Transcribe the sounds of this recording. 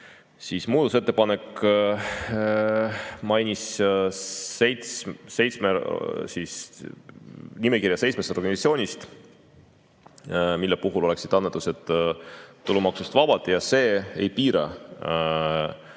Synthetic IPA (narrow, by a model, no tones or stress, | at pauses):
sismuːd̪use̞t̪ːe̞pɑne̞k | mɑjnis | sejt̪sse̞jt̪smesis | nimekirjɑse̞jtsmest̪o̞rɡɑnisɑt̪sʲjoːnʲist̪ | milːepuɦulo̞le̞ksid̪̥ɑnːet̪ˑːuse̞t̪ˑː | ulːumɑksust̪vɑb̥ɑd̪jɑse̞ːejpiːɾɑ̰